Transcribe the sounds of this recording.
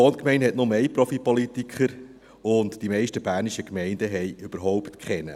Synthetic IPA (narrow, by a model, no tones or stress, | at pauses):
ɔːnkmɛɪnthɛtnomeɪpɾɔfipɔlitikχəɾ | ʊntd̥imɛɪʃtəbæːɾniʃəkmɛɪndəɦɛɪʏb̥əɾɦɔʊptkχɛnə̰